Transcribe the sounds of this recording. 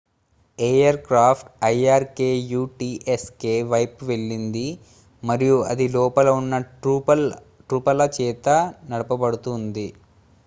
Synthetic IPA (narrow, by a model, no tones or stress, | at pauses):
eːjɐɾkɾaːpʰʈɐjaːɾkeːjuːʈiːʔeskeːʋɐjpuʋe̞ɭːind̪i | mɐɾijuɐ̰d̪ilɔːpɐlɐunːɐ | ʈɾuːpɐlɐt͡ʃɛːt̪ɐnɐɽɐpɐbɐɽut̪und̪i